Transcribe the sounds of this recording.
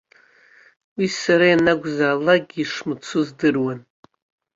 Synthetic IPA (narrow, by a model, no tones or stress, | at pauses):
wisaɾajanaɡʷzaːlaɡʲiʂmɨt͡sʰʊzdɨrwan